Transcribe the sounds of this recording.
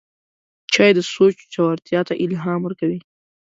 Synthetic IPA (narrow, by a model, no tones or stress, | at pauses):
t͡ʃɑːjd̪əsot͡ʃt͡ʃawaɾt̪jɑt̪aʔɪlɦɑːmwəɾkawi